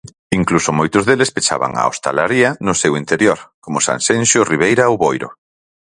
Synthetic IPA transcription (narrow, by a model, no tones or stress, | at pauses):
iŋklusomojt̪ʊzðelespet͡ʃa̰βa̰ŋa̰o̰st̪a̰laɾiɐnʊsewint̪eɾjoɾkomʊsa̰nsenʃoriβ̞ejɾaowβojɾo̰